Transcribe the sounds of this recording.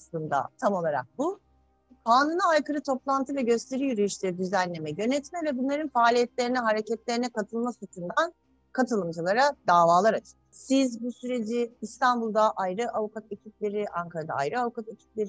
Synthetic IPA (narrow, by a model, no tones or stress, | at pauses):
slˠɯnd̪a̰t̪ʰamo̞lˠaɾa̰k̚bu | pʰaːnɯnaajkɯɾɯt̪ʰo̞plˠant̪ʰɯvɛɟø̞st̪ʰe̞ɾijyɾejiʃlʲed̪yzænːʲe̞mɛjø̞nɛt̪mɛvɛbunlˠaɾɯnfaːlʲijɛt̪lʲe̞ɾinɛɦaɾecɛt̪lʲe̞ɾinɛkat̪ʰɯlˠmasut̪ʰund̪an | kʰat̪ʰɯlˠɯmd͡ʒɯlˠaɾad̪aːvaːlˠaɾat͡ʃʰɯ̥sizbusyɾe̞d͡ʒiːst̪ʰanbulˠd̪aʔajɾɯʔavukat̪ecʰip̚lʲe̞ɾiʔaŋkʰaɾad̪a̰a̰jɾɯavukat̪ecʰi̥p̚lʲe̞ɾ